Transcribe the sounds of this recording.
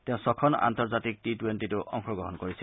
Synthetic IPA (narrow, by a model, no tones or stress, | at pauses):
tẽʊ̃sɔkʰɔna̰nt̪ɔɹzatik̚titwentituʔɔ̰ŋxɔɡɹɔ̰ɦɔnkoɹisi